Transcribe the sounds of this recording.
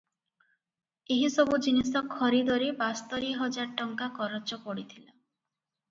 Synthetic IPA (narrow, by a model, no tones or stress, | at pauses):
eɦisɔbud͡ʒinisɔkʰːɔɾid̪ɔɾibast̪ɔɾiɦɔd͡ʒaɾʈɔŋkakɔɾɔt͡ʃɔpɔɽit̪ʰila